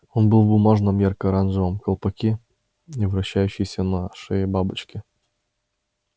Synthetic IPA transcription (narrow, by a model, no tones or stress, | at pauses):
onbɨlˠvbʊmaʐnəmjarkɐɾanʐɨvəmkəlˠpɐkʲi | ivɾɐɕːæjʉɕːɪjsʲənɐʂɨjəbabɨt͡ɕkʲɪ